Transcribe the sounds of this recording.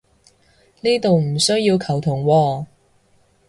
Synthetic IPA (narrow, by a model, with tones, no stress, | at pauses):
niː˥t̪o˨wm̩˨˩sɵ˥ɥjiː˧wkʰɐ˨˩wt̪ʰʊ˨˩ŋwɔː˧